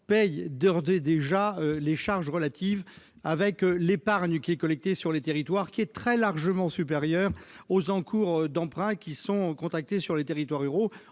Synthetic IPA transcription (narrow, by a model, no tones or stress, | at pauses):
pɛjd̪ɔʁd̪ed̪eʒaøleʃaʁʒʁəlat̪ʰiv | avɛklepaʁɲkʲiɛkɔlɛk̚t̪esyʁlet̪eʁit̪waʁkʲiɛt̪χɛlaʁʒəmɑ̃syp̬eʁjœʁozɑ̃kʰuʁd̪ɑ̃pχɛ̃kʲisɔ̃kɔ̃t̪ak̚t̪esyʁlet̪eʁit̪waʁyʁo